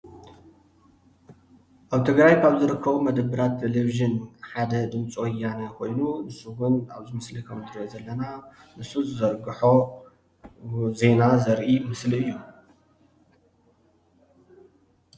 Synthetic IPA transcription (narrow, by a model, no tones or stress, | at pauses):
ʔaβt̪ʰɨɡɾajkʰaβzɨɾɨkːɐβumɐd̪ɐbːɨɾat̪ʰːeleβiʒɐnħad̪ɐd̪ɨmt͡sʼwɔjanɐkʰo̞jnunɨsuwʊna̰βzɨmɐslikʰɐmt̪ʰɨɾozɐlːɐna | nɨsuzɨzɐɾɡɨħo̞ | ze̞nazɐɾʔimɨsliɨjːu